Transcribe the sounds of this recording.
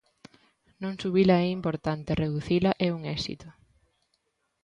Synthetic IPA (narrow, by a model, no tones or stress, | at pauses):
nõŋsuβilɐɛimpoɾt̪ant̪ereðuθilɐʔɛuŋɛsḭt̪ʊ